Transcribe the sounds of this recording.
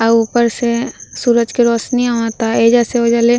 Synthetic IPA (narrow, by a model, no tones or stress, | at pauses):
əupəɾsesuːɾəd͡ʒkeɾɔːsnĩat̪aed͡ʒaseɦod͡ʒale